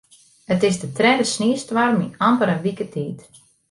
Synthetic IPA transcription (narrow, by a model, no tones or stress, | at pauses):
ətɪsdətrɛːdəsniəstʋarminampəɾəʋikətʰiːt